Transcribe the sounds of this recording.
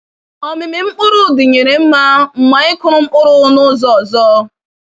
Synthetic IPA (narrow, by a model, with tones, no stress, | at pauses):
ɔ˨mɪ˨mɪ˨m̩˦k͡pʊ˦ɾʊ˦˨dʊ˨ɲe˨ɾe˨m̩˦ma˦ŋ͡m̩˨ma˨ɪ˦kʊ˦ɾʊ˦m̩˦k͡pʊ˦ɾʊ˦nʊ˦zɔ˦ɔ˨zɔː˦